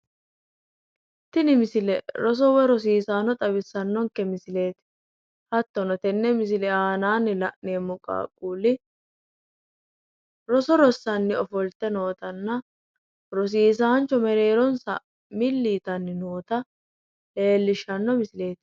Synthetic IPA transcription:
t̪ːɪnɪmɪsɪlɛɾɔs̬ɔwɛɾɔs̬iːsaːnɔt̪ʼɐbɪsːɐnːɔŋkːɛmɪsɪle̞ːt̪ | hɐt̪ːɔnɔt̪ɛnːɛmɪsɪlɛaːnaːnːɪlɐʔneːmʊkʼa̰ːkʼuːlɪ | ɾɔsɔɾɔsːɐnːɪɔfɔlt̪ːɛnoːt̪ɐnːɐ | ɾɔs̬iːs̬aːnt͡ʃːɔmɛɾe̞ːɾɔnsɐ̰ | mɪlːiːt̪ɐnːɪnoːt̪ɐ | eːlːɪʃːɐnːɔmɪsɪle̞ːt̪

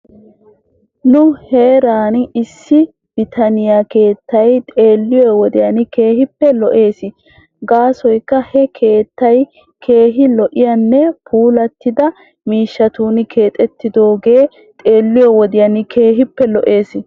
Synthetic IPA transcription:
nʊheːɾaːnɪɪsːɪ | b̥ɪt̪ʰɐnɪjake̞ːt̪ːɐjt̪ʼe̞ːlːɪjɔwɔd̪ɪjɐnɪke̞ːhɪpːɛlɔʔe̞ːsɪ | ɡaːsɔjkːɐhɛkʰe̞ːt̪ːɐj | kʰe̞ːɦɪlɔʔɪjɐnːɛpʰuːlɐt̪ːɪd̪ɐ | miːʃːɐt̪uːnɪkʰe̞ːt̪ʼɛt̪ːɪd̪o̞ːɡe̞ː | t̪ʼe̞ːlːɪjɔwɔd̪ɪjɐnɪkʰe̞ːɦɪpːɛlɔʔe̞ːsɪ

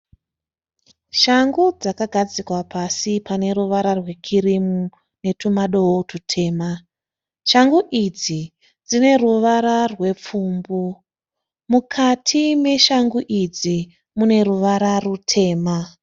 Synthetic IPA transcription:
ʃaŋɡud͡zakaɡʱad͡zikwapasipane̞ɾuʋaɾarwe̞kʰiɾimu | ne̞tumaɗo̞ɦotutʰe̞ːma | ʃaŋɡuʔid͡zi | d͡zine̞ruʋaɾarwe̞p͡fuːmbu | mukʰatʰime̞ʃaŋɡuʔid͡zi | mune̞ɾuʋaɾarutʰe̞ːma

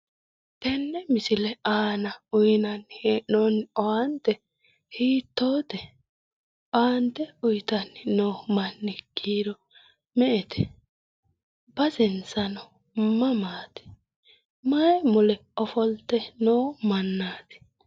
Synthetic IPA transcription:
t̪ɛnːɛmɪsɪlɛʔaːnɐʊjnɐnheːʔnonɔwɐnt̪ɛ | hiːt̪ːoːt̪ɛ | baːnt̪ɛʊjt̪ɐnɪnoːmɐnːɪɡ̥iːɾɔ | mɛʔɛt̪ʰɛ̥ | bɐzɪnsɐnɔ | mɐmaːt̪ɛ̥ | mɐɛmʊlɛɔfɔlt̪ːɛnoːmɐnːaːt̪ɛ̥

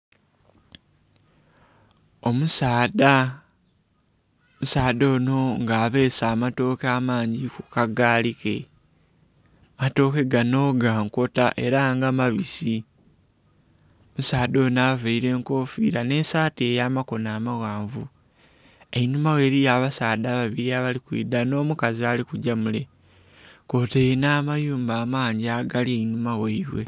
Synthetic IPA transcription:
o̞musaːda | musaːdo̞ːno̞ŋɡaːβe̞ːsaːmato̞ːkaːmaːɲɟikukaɡaːlike̞̰ | mato̞ːke̞ɡano̞ɡaːŋko̞taʔe̞ɾaŋɡamaβisi | musaːdo̞ːnaːveiɾe̞ːŋko̞ːfḭːɾane̞saːte̞ːjaːmako̞naːmaɣaːɱvu | einumawe̞ːɾijaːβasaːdaːβaβiɾiaβalikwḭːd̪ano̞ːmukazialikuɟamule̞ | ko̞teinaːmajuːmbaːmaːɲɟiaɡalieinumaweiɾwe̞̰

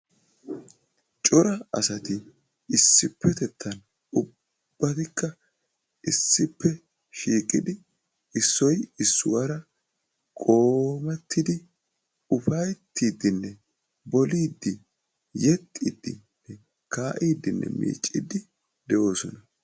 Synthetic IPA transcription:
t͡ʃʼɔɾɐɐ̰sɐt̪ɪ | ɪsːɪpːɛt̪ɛt̪ʰːɐn | ʊ | b̥ːɐt̪ɪkːɐ | ʔɪsːɪpːɛ | ʃiːkʼɪd̪ɪ | ɪsːɔjɪsːʊ̰wɐɾɐ | kʼo̞ːmɛt̪ʰːɪd̪ɪ | ʊfɐjt̪ʰːiːd̪ːɪnːɛ | bɔliːd̪ːɪ | jɛt̪ʼːid̪ːɪnːɛ | kaːʔiːd̪ːɪnːɛ̰mḭːt͡ʃʼːɪd̪ːɪ | d̪ɛʔo̞ːsɔnɐ

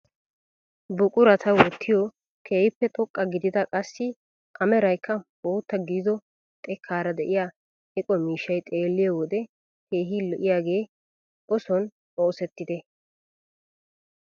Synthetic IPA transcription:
bʊkʼʊɾɐt̪ʰɐwɔt̪ʰːɪjɔ | kʰeːhɪpːɛt̪ʼɔkʼːɐɡɪd̪ɪd̪ɐkʼɐsːɪ | ʔɐmɛɾɐjkːɐboːt̪ːɐɡiːd̪ɔ | t̪ʼɛkʰːaːɾɐd̪ɛʔɪjaː | hɛkʼɔmiːʃːɐjt̪ʼe̞ːlːɪjowɔd̪ɛ | ke̞ːɦilɔʔɪjaːɡe̞ː | ɔsɔn | oːsɛt̪ːɪd̪ɛ

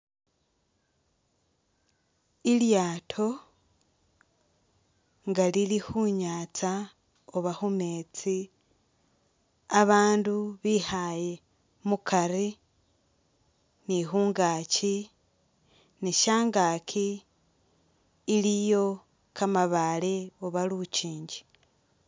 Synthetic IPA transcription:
iljaːtʰo̞ | ŋɡalilixuɲaːt͡sa | oβaxumet͡si | aβaːnduβihaje̞ | mukʰaɾi | niɦuːŋɡaːci | niʃaːŋɡaːkʰi | lijo̞ | kamaβaleoβalut͡ʃiːɲɟi̥

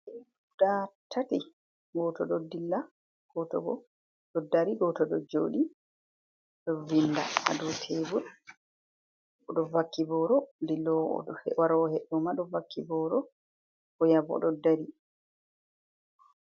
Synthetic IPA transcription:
ɛi | udatʰati | ɡɔtɔɗɔdilːa | ɡ̥ɔtɔ̰ɡɔ | ɗɔdaɾiɡɔtɔɗɔ̰d͡ʒoːɗi | ɗɔvinda̰ha̰dɔtʰebu | ɔɗɔvakːibɔɾɔdilːɔ̰hɛwaɾɔhɛɗːɔmaɗɔvakʰːibɔɾɔ | kɔjabɔ̰ɗɔdaɾi

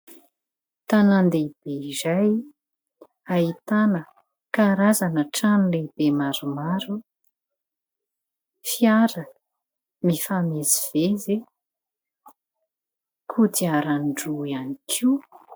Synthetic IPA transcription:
t̪anand̪eib̥eizaj | ait̪anə | kaɾazanəʈ͡ʂanileb̥emaɾumaɾu | fiaɾə | mifameziv̥eze | kʰut̪iaɾanɖ͡ʐuianikʰiw

